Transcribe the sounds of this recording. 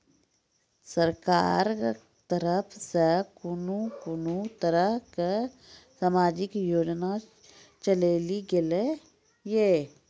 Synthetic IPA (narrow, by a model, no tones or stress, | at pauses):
səɾka̰ːɾ | t̪əɾəpʰsekʊnũkʊnut̪əɾəɦke | saːmaːd͡ʒɪkjoːd͡ʒna | t͡ʃəleːliɡɪle | jeː